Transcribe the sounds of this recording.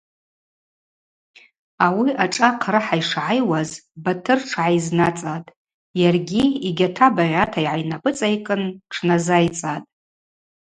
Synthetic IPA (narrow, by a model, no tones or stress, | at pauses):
awiʔaʈ͡ʂʼaqʰrɨħajʂʕajwazbatʰɨrʈ͡ʂʰʕajznat͡sʼatʼ | jarɡʲiiɡʲatʰabaʁʲatʰaiʕajnabʼɨt͡sʼajkʼɨnʈ͡ʂʰnazajt͡sʼatʼ